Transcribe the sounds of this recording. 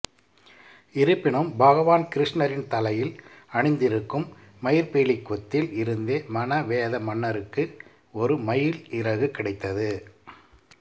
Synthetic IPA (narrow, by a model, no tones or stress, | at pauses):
ɪɾɯpːɪɳɯmbɐɣɐʋaːnkɪɾɪʂɳɐɾɪnt̪ɐlɐjɪlɐɳɪnd̪ɪɾɯkːɯmː | ɐjɪɾpeːɭɪkːɔt̪ːɪlɪɾɯnd̪eːmɐnɐʋeːðɐmɐɳːɐɾɯkːɯ | ɔɾɯmɐjɪlɪɾɐɣɯkːɪɽɐɪt̪ːɐðɯ